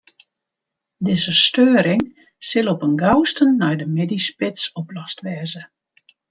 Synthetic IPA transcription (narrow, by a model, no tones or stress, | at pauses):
dɪzəstøːɾɪŋ | sɪlˠɔpənɡawstənːɔjdəmedispɪtsɔplɔstʋɛːzə